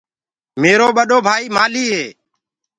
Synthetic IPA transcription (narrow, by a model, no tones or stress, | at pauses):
meːɾoːɓəɗoːbʱaːiːmaːliːɦeː